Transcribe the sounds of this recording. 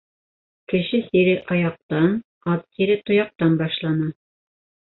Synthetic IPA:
kɘ̆ʃɘsiɾɘʔɑjɑq̚t̪ɑn | ɑt̪siɾɘt̪ŏjɑq̚t̪ɑnbɑʃlˠɑnɤ

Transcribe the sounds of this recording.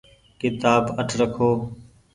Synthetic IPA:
kɪt̪aːbəʈʰɾəkʰoː

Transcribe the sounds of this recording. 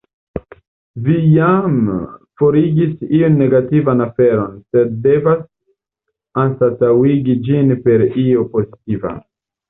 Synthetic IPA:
vijamfo̞ɾiɡisionːe̞ɡativanafe̞ɾo̞nse̞d̚ːe̞vas | ansat͡sawiɡid͡ʒinpe̞ɾio̞po̞zitiva̰

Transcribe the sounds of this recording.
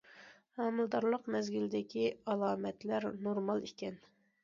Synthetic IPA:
hɑmɨlˠd̪ɑɾlˠəqmɛzɡʲild̪ɪkʲiɑlˠɑːmɛt̪læɾnoɾmɑlˠikʲɛn

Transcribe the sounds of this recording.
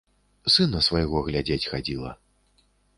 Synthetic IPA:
sɨnɐsvɐjɣɔɣlʲad͡zʲet͡sʲxad͡zʲilˠɐ̰

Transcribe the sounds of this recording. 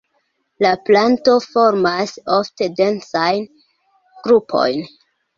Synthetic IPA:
laplanto̞fo̞ɾmaso̞fte̞de̞nt͡sajn | ɡ̥ɾupʰo̞̰jn

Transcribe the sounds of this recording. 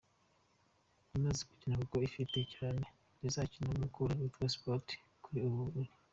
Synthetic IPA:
umaziku̥cinakuko̞ifite̞caːne̞ | nizaːcinamukuɾaɾutwespoti̥ | kuɾiuβuɾuɾi

